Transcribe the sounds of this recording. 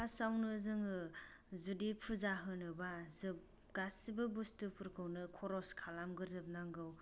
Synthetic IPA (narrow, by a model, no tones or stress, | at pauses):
asawnɯzɯŋɯ | zudipʰuzaɦɯnɯbazɯp̚ | ɡasibɯbustɯpʰuɾkʰɯwnɯkʰɔɾɔskʰalamɡɯɾzɯp̚naŋɡɯw